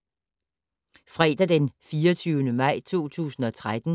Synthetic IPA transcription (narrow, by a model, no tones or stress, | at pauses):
fʁɛːd̥æd̥enfiːɒt͡sʰyʊnəmɑ̈ɪ̰t͡sʰo̝̰ːt͡sʰṵːsn̩ɒ̽t͡sʰʁad̥n̩